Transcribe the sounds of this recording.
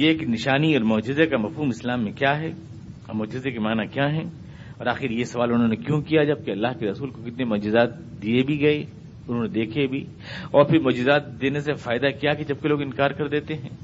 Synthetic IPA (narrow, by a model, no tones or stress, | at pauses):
jeːknɪʃaːniɔːɾmɔːd͡ʒɪzekamɐfɦuːmɪslaːmːẽkjaːɦɛ | mʊːd͡ʒɪzekemaːnakjaːɦɛ̃ː | ɔːɾaːxɪɾjesɐʋaːlʊnɦõːnekjõkijad͡ʒɐb̚keɐlːaːɦkeɾɐsuːlkokɪt̪nemʊːd͡ʒɪzaːt̪̚ | d̪iebʱiɡɐe | ʊnɦõːned̪eːkʰebʱi | ɔːɾpʰɪɾmʊːd͡ʒɪzaːt̪̚d̪eːnesefaːɪd̪akijaked͡ʒɐb̚keloːɡɪ̃nkaːɾkɐɾd̪eːt̪eɦɛ̃ː